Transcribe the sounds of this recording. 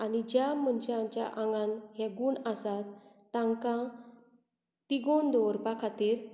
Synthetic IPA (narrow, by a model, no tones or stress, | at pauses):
anid͡ʑjam̤ənt͡ɕãt͡ɕja̰ʔaŋɡãnɦeɡuːɳəsat̪ː | ãŋkã | t̪iɡond̪ɔɾpakʰat̪iːɾ